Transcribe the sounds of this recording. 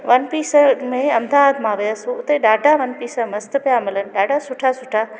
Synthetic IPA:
ʋɐnpiːsəmẽɐmd̪ʱaːd̪ʱmãːʋijəsuʊt̪eɗaːɖʱaʋɐnpiːsəmɐst̪əpjamɪlən̆ɗaːɖʱasʊʈʰasʊʈʰa

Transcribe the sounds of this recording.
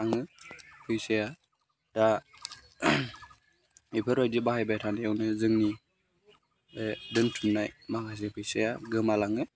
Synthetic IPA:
aŋɯpʰɯjseja | da | ipʰɯɾɔjdibahajbajtʰanajawnɯzɯŋni | edɯntʰunnːajmakas̬epʰɯjsejaɡɯmalaŋɯ

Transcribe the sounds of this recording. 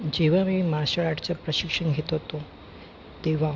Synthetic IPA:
d͡ʑeʋ̤amiːmaɕəɭaʈt͡ɕapɾəɕikʂəɳɡʱet̪oɦot̪o | t̪eʋ̤a

